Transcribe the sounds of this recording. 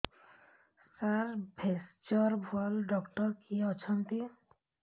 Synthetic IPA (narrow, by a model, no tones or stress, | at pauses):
salbʱest͡ʃɔɾbʱɔlɖɔkʈɔɾkʰiɔt͡ʃʰɔnt̪i